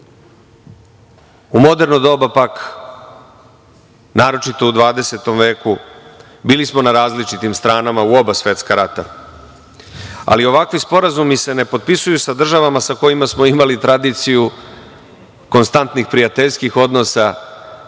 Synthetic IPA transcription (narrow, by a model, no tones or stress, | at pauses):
umo̞d̪e̞ɾnod̪o̞bapak | naːɾo̞t͡ʃit̪o̞ud̪ʋaːd̪e̞se̞t̪o̞mʋe̞ːku | biːlismo̞naɾaːzlit͡ʃit̪imst̪ɾaːnamauo̞basʋe̞t̪skaɾat̪a̰ | a̰lio̞ʋakʋispo̞ɾazumise̞ne̞po̞d̪̚pisujusad̪r̩ʒaʋamasako̞jimasmo̞imalit̪ɾad̪iːt̪siju | ko̞nst̪ant̪nixpɾiat̪eʎskixo̞d̪no̞sa